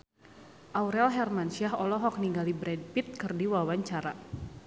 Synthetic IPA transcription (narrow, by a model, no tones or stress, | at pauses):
ʔawɾɛlɦɛrmansiaɦɔlɔɦɔk̚niŋɡalibɾɛd̚pit̪̚kɨrdiwawaɲt͡ʃaɾa